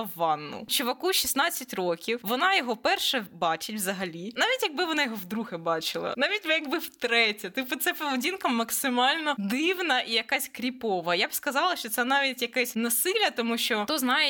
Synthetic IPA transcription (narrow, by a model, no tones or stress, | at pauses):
ɐʋɑnːʊ̰t͡ʃʊʋɐkuʃʲisnɑt͡sʲːɐtʲrɔkʲiwʋɔnɑjɔɦɔpɛrʃɛbɑt͡ʃɪtʲʋzɐɦɐlʲinɑʋʲitʲjɐɡ̚bɪʋɔnɑjɔɦɔwd̪ɾuɦɪbɑt͡ʃɪlˠɐ̰nɑʋʲitʲmjɐɡbɪwt̪ɾɛtʲɐt̪ɪpʊt̪sɛpɔʋedʲinkɐmɐksɪmɑlʲnɔd̪ɪwnɐʔijɐkɑsʲkɾʲipɔʋɐjabskɐzɑlˠɐʃt͡ʃɔt̪sɛnɑʋʲitʲjɐkɛsʲnɐsɪlʲɐt̪ɔmuʃt͡ʃɔt̪ɔznɑjɛ